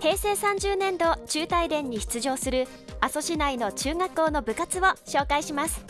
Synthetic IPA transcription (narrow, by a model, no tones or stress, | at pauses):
he̞ːse̞ːsãɲ̟d͡ʑɨːnẽ̞nd̪o̞t͡ɕɨːt̪aid̪ẽ̞ɲ̟ːiçi̥t͡sɨʑo̞ːsɨɾɯ̟ | aso̞ɕinaino̞t͡ɕɨːŋakːo̞ːno̞bɯ̟kat͡sɨβo̞ɕo̞ːkaiɕimasɨ̥